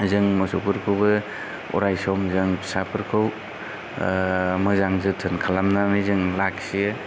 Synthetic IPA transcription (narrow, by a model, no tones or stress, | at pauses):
zɯŋmɔsopʰɯɾkʰɯwbɯ | ɔ̰ɾajsɔmzɯŋʰsapʰɯɾkʰɯw | mɯzaŋsɯtʰɯnkʰalamnamɯjzɯŋlaksijɯ